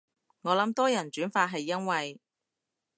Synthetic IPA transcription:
ŋɔː˨˧lɐ˨˥mt̪ɔː˥jɐ˨˩nt͡ʃyː˨˥nfaː˧t̚ɦɐ˨jːɐ˥nwɐ˨j

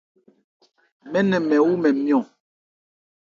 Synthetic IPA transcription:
mɛ˦nɛ˨mɛ˨wu˦mɛ˨mjɔ̃˨

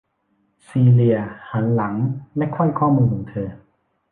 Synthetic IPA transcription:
siː˧li˧ɐha˩˦nla˩˦ŋlɛ˦˥kʰɔ˥˩jkʰɔː˥˩muː˧nkʰɔː˩˦ŋt̪ʰɤː˧

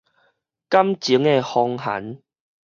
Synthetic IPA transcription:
ka˦mt͡ɕi˨˦ŋe˧hɔ˧ŋha̰˨˦n

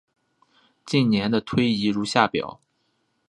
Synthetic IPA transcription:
t͡ɕi˥˩nnjɛ˧˥nd̪ə˧t̪ʰwe˥ɪi˧˥ɻu˧˥ɕja˥˩pjɑ̰˨˩˦

